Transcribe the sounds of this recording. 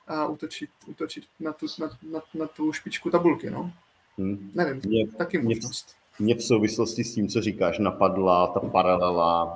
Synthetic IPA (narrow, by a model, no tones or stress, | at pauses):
ʔaʔut̪ot͡ʃɪt̪ʔut̪ot͡ʃɪt̪nat̪unananat̪ouwʃpɪt͡ʃkut̪abulkɪno̰ | nɛvɪmɲɛt̪akɪmɲɛ | mɲɛfsowvɪsloscɪsciːmt͡soriːkaːʃnapadlat̪apaɾalɛla